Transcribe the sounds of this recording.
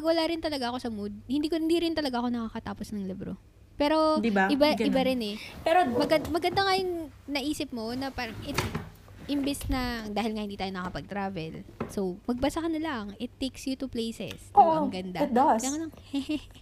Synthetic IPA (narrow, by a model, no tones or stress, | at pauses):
pɐɡwɐlaːɾɪnt̪ɐlɐɡaʔɐko̞sɐmud̪̚hɪnd̪iːkoɪnd̪iːɾɪnt̪ɐlɐɡaɐko̞nɐkɐkɐt̪aːposnɐŋlɪbɾo̰ | pɛːɾo̞d̪bʔɪbaʔɪbɐɾɪnɛpɛɾomɐɡɐmɐɡɐnd̪aŋɐjʊŋnɐʔiːsɪp̚mo̞nɐpaːɾɐŋɪt̪ | ʔɪmbɛsnɐd̪aːhɪlŋɐhɪnd̪iːt̪aːjonɐkɐpɐɡ̚t̪ɾaːvɛlsowmɐɡ̚bɐsɐkɐnɐlaŋɪt̪ːejksjut̪uplejsɛ̰soʔmɐɡɐnd̪aɐd̪akonɐŋhɛ